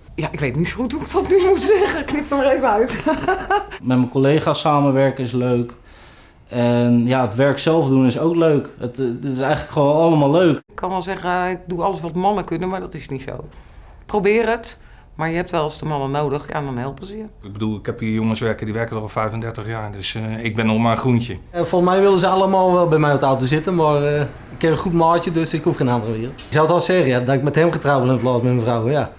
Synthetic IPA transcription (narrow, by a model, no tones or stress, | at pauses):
jaʔɪkʋejtnitsxutuɪk̚dɔtnymutsɛɣəknɪptəmarejvəœɥt | mɛtməkolejχasaːməʋɛɹkəɪsløɥk | ɛnjaətʋɛɹksɛlˠfdunɪsowkløɥkətɪsɛjχələkχəʋoːnɑləmaːlˠlːøɥkɪkkʰːɔnʋɛlˠzɛɣəɪk̚duɑləsʋɔtmɑnəkʏnənmaɹdɔtɪsnitso̰w | prowbɪːrət | maɹjəhɛp̚tʋɛlˠsdəmɑnənoːdəxja̰ndɔnhɛlˠpəzəjəɪɡ̚bədulˠɪkhɛpijoŋənsʋɛrkədiʋɛɹkədrɔpfɛjfəndɛɹtəχjaːɹdøsɪk̚bɪnɔmaəχruntjə | ɛfonˠsmɛjʋɪlˠəzəalˠəmaːlˠʋɛlˠbɛjmɛjɔtawtosɪtəmar | ɪkːɪrənχutmaːt͡ʃədøsɪkhufxeːnandərəʋɪːrl̩ˠtsawətɔlˠsɛːɣəjadɔtɪk̚mɛthɛmχətrawɪlˠɪnəplɔːsmɛtməfrawəja